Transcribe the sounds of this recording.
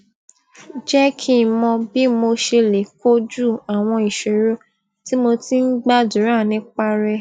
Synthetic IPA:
d͡ʒɛ˦kʰi˦mɔ̃˧bi˦mo˧ʃe˧le˨ko˦d͡ʒu˦˨a˨w̃ɔ̃˧i˨ʃe˨ɾo˨˦ | ti˦mo˧ti˦n̩˦ɡ͡ba˦dũ˨˦ɾã˦˨nĩ˦k͡pa˦ɾɛ˧

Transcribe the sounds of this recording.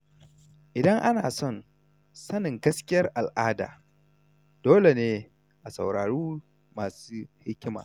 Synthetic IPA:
ʔɪ˨dɐ˦ŋʔa˦naː˨sɔ˦˨n | sɐ˦nɪ˨ŋɡɐ˦skʲɪ˦jɐ˦rʔa˨lʔaː˦da̰ː˨ | d̥oː˦le˨neː˦ | ʔa˨sa̰˨wɽaː˨ɽuː˦ | maː˨suː˦hɪ˦kʲɪ˦ma̰ː˨

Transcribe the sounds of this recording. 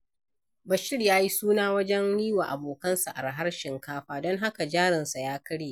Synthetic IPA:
bɐ˨ʃɪ˦ɽjaː˦ji˦suː˦naː˦wɐ˦d͡ʒɛ˦nɽiː˦wa̰˨ʔa˨boː˨kɐ˦nsa˨ʔa̰˨rɦa˦rʃɪ˨ŋkaː˦ɸaː˦dɔ˦ŋɦa˦ka˨d͡ʒaː˦ɽɪ˨nsa˨jaː˦kɐ˦ɽeː˨

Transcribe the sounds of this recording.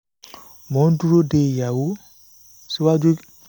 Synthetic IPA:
mɔ̃˨˦n˦du˦ɾo˦de˨ja˨wo˦ | si˦wa˦d͡ʒu˦

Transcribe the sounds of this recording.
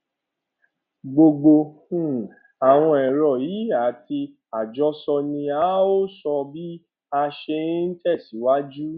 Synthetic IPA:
ɡ͡bo˧ɡ͡bõ˧˦˨ | a˨w̃ɔ̃˧ɛ˨ɾɔ˨ji˨˦a˨ti˧ | a˨d͡ʒɔ˨˦sɔ˧nĩ˧a˨˦o˦sɔ˧bi˦ | a˧ʃe˧˦n̩˦t͡ʃɛ˦˨si˨˦wa˦d͡ʒu˦

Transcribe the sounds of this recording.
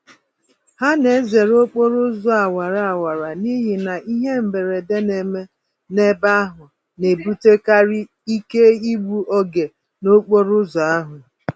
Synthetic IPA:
ha˦ne˨˦ze˨ɾo˦k͡po˦ɾʊ˦zʊ˦˨a˨wa˨ɾa˨a˨wa˨ɾa˨ni˦ɦi˨na˨ʔi˦ɦe˦m̩˨be˨ɾe˨de˦ne˨me˦ | ne˦ba˦a˦ɦʊ˨ | ne˨bu˦te˦ka˦ɾi˦ | i˦ke˦i˦ɡ͡bu˦ʔɔ˦ɡe˨ | no˦k͡po˦ɾʊ˦zʊ˨a˦ɦʊ˨

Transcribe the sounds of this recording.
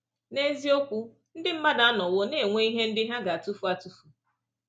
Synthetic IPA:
ne˦zi˦o˦kʷu˦ | n̩˦dɪ˦m̩˦ma˦da˨˦a˦nɔ˨wʊ˦ne˨ŋʷe˦i˦ɦe˦n̩˦dɪ˦ɦa˦ɡa˨a˨tu˦fu˨a˨tu˦fu˨

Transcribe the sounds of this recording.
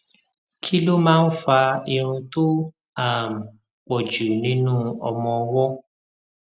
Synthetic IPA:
kʰi˦lo˦mãː˦n̩˦fa˧i˧ɾ̃ũ˧to˦ | a˦˨m̩˨ | k͡pɔ˨d͡ʒu˨nĩ˦nũ˦ɔ̰˧mɔ̃˧˦wɔ˦

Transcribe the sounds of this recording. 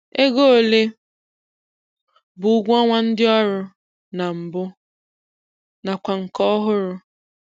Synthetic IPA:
e˦ɡo˦o˨le˦ | bʊ˨ʊ˦ɡʷɔ˦ŋʷa˦n̩˦dɪ˦ɔ˦ɾʊ˦ | na˨m̩˨bʊ˦ | na˨kʷa˨ŋ̩˨kɔ˦ɦʊ˦ɾʊ˦

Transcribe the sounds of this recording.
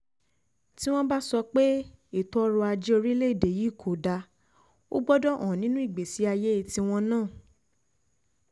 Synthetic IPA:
ti˦w̃ɔ̃˦ba˦sɔ˧k͡pe˦i˦˨tɔ˦ɔ˦ɾɔ˧a˧d͡ʒi˦o˧ɾi˦le˦i˦˨de˨ji˨˦˨kʰo˨da˧ | o̰˦ɡ͡bɔ˦dɔ˦ɔ̃˨nĩ˨˦nũ˦i˦˨ɡ͡be˨si˨˦a˧je˦i˧ti˧w̃ɔ̃˧nãː˦˨

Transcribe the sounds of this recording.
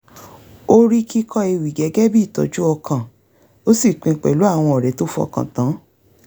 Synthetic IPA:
o˦ɾi˦ki˦kʰɔ˦e˧wi˨ɡɛ˨˦ɡɛ˦bi˦˨tɔ̰˨d͡ʒu˦ɔ˧kʰã˨ | o˦si˦˨k͡pĩ˧˨k͡pɛ˨lu˨˦a˦˨w̃ɔ̃˧ɔ˨ɾɛ˨˦to˦fu˦ɔ̰˧kã̰˨tã˨˦

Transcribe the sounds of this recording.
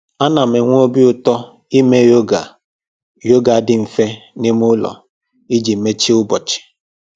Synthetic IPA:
a˦na˨m̩e˨ŋʷ˦o˦bi˦ʊ˦tɔ˦ | i˦me˦jo˦ɡa˨ | jo˦ɡa˨˦dɪ˨ɱ̩˨fe˦nɪ˦m˦ʊ˦lɔ̰˨ | i˦d͡ʒi˨me˦t͡ʃi˦ʊ˦bɔ˨t͡ʃɪ̥˨

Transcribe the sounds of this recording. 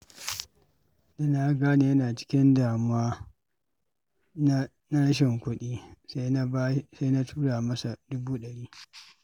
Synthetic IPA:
dɐ˦na˨˦ɡaː˦ni˨jɐ˦naː˨t͡ʃɪ̥˦kʲɪ˦ndaː˨mʊ˦waː˦ | n˦ | na˦ɽɐ˦ʃ̬ɪ˨ŋkʷʊ˦ɗiː˦ssa˦jna˦tʰuː˦ɽaː˨mɐ˦sa˨dʊ˦buː˦ɗɐ˨ɽiː˦

